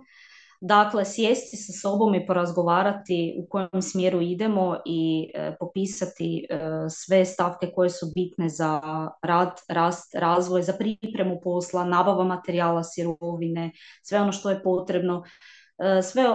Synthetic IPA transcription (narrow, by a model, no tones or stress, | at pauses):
d̪akle̞sjest̪isaso̞bo̞mipo̞ɾazɡo̞ʋaːɾat̪iṵko̞jemsmjeɾuid̪e̞mo̞ʔipo̞piːsat̪isʋe̞st̪afke̞ko̞je̞subit̪ne̞zaɾaːd̪ɾaːst̪ɾaːzʋojzapɾipɾe̞mupo̞slˠanaːbaʋamat̪e̞ɾiaːlˠasiɾoʋine̞sʋe̞o̞no̞ʃt̪o̞je̞po̞t̪ɾe̞bno̞ | sʋe